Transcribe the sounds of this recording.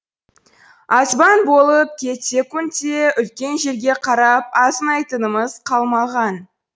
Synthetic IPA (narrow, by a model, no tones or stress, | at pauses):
ɑsbɑnbo̞lˠəp̚kʲʰe̞t̪sʲe̞kʊnt̪ːeʏlkʲe̞nʒe̞ɾɡʲe̞qʰɑɾɑpɑsənɑjt̪ənəməz̥qʰɑlˠmɑʁɑn